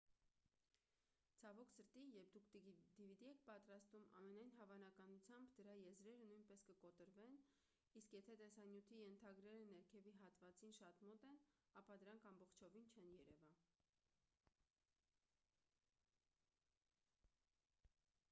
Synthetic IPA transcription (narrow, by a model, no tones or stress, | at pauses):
t͡sʰɑvɔkʰsəɾt̪ijɛp̚ʰd̪ukʰd̪d̪ivid̪iɛk̚ʰpɑt̪ɾɑst̪umʔɑ̰mɛnɑjnɦɑvɑnɑkɑnut͡sʰjɑmbd̪əɾɑjɛzɾɛɾənujnpɛskəkɔt̪əɾvɛn | iskjɛt̪ʰɛt̪ɛsɑnjut̪ʰijɛnt̪ʰɑɡɾɛɾənɛɾkʰɛviɦɑt̪vɑt͡sinʃɑt̪mɔt̪ɛnɑpɑd̪əɾɑŋkʰɑmbɔχt͡ʃʰɔvint͡ʃʰɛnjɛɾɛvɑ